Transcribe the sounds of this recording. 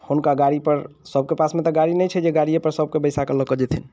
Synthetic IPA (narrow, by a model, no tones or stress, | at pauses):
hunkaɡaɾipəɾsəb̚kepasmet̪ɔɡaɾinəjt͡ʃʰɛd͡ʒeɡaɽijepəɾsəb̚kebəjsakələkəd͡ʒet̪ʰin